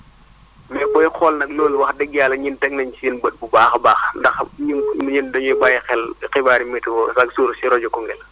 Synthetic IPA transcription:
mɛkɔixɔlnɐk̚loːlwɐxdɛɡijaːlɐɲintɛk̚nɐɲisinbət̚bubaːxbaːxndɐxɲinɲindɐɲbajixɛlxibaːɾimitwɔsɐksuːɾsiɾɔd͡ʒɔkɔŋɡɛl

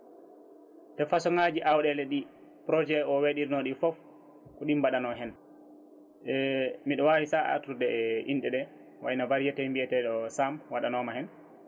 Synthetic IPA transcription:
tɛfasɔŋad͡ʒiʔawɗɛlɛɗi | pɾɔd͡ʒɛɔweɗiɾinɔɗifɔf | kɔɗimbaɗanɔɦɛn | ɛmiɗɔwawisaʔa̰tudɛʔinɗɛɗɛ | wajnabaɾd͡ʒatɛmbiɛtɛɗɔsamwaɗanɔmahɛn

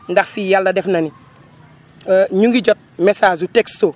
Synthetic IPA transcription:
ndaxfiːjalːɐdɛfnɐni | ɲuŋɡiɟot̚mɛsaːzutekso

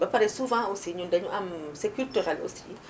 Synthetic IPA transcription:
bapaɾɛsuvɑ̃osiɲũndaɲuamsɛkyltyʁɛlo̰si

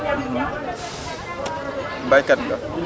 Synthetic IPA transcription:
mbajkadŋɡa̰

